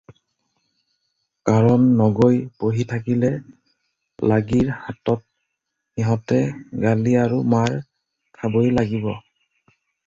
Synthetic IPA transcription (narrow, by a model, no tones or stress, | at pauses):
kaɹɔnːɔɡojpoɦitʰakilɛ | laɡiɹhatɔt̚ | xiɦɔtɛɡaliaɹumaɹ | kʰabojlaɡibɔ